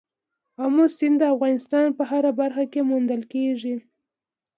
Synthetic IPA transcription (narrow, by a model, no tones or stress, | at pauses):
amusɪnd̪əafɣɑnɪst̪ɑnpəɦaɾabaɾxakemund̪əlkeʐi